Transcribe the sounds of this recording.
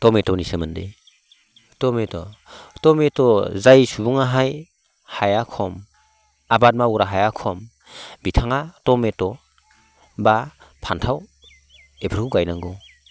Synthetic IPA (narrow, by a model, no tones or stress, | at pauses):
tɔmetɔwnisəmɯndḛ | tɔmetɔtɔmetɔzajsubuŋaɦaj | hajakʰɔm | abat̚mauɾaɦajakʰɔm | bitʰaŋatɔmetɔ | bapʰantʰaw | epʰəɾkuɡajnaŋɡɔ